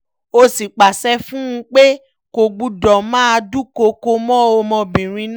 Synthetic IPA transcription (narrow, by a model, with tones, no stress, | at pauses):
o˧si˨k͡pa˨sɛ˧fũ˦ũ˧k͡pe˦ | ko˨˧ɡ͡bu˧dɔ˨mãː˦a˧du˦ko˧ko˧mɔ̃˦o˧mɔ̃˧bĩ˨ɾ̃ĩ˧n